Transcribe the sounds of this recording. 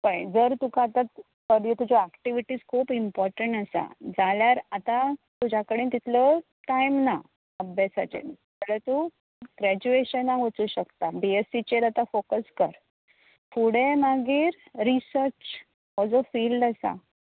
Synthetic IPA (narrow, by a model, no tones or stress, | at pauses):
pəjd͡zəɾt̪ukaːt̪at̪ | kəɾit̪ud͡zɔækʈiʋiʈiːd͡zkʰuːpimpɔɾʈəɳʈasa̰d͡zaljaɾat̪at̪ud͡ʑʱakəɽiːnt̪it̪ʰlə | ʈajmna | əbɛsa̰t͡ɕḛ | t̪əɽət̪u | ɡɾæd͡ʑueɕənaʋət͡suːɕəkt̪abiesit͡ɕeɾat̪afokəskəɾ | fuɽemaɡiːɾ | ɾisəɾt͡ɕ | ɦɔd͡zɔfiːlɖasa̰